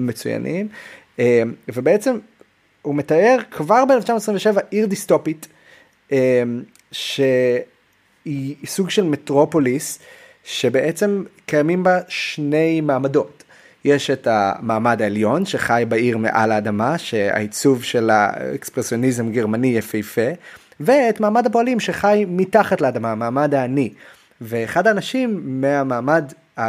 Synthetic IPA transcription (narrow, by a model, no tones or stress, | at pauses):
met͡suja̰nʔim | emvebeet͡se̞m | umetae̞ʁkvaʁbeeleft͡ʃamoesʁiveʃevaʔiʁdisto̞pit | em | ʃe | isuɡʃe̞lmetʁo̞po̞lis | ʃe̞be̞ʔet͡se̞mkajamimbaʃne̞jmaːmado̞t | je̞ʃe̞tamaːmadaeljo̞nʃe̞χajbaiʁmḛʔa̰laːdamaʃe̞a̰it͡suvʃe̞la̰ḛkspʁesjo̞nizemɡeʁmanijɛfejfe | veːtmaːmadaboalimʃe̞χajmitaχatleadamamaːmadaːni | veːχadaːnaʃimːeamaːmad | a